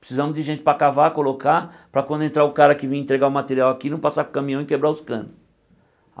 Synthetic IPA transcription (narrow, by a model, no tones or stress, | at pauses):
pɾɪ̥sizɐ̃mʊzd͡ʒɪʒẽnt͡ʃɪpɾakavakoloka | pɾɐkwɐ̃nd̪ʊẽnt̪ɾaʊkaɾɐkɪvẽj̃ẽnt̪ɾeɡaʊmat̪eɾiawakinɐ̃w̃pasakũkɐ̃mĩɐ̃w̃ɪkebɾaʊskɐ̃nʊs